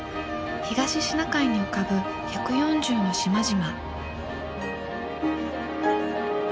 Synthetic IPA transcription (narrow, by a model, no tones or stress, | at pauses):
çiɡaɕiɕinakaiɲ̟iokabɯ̟ | çakɯ̟jõ̞ɲd͡ʑɨːno̞ɕimaʑima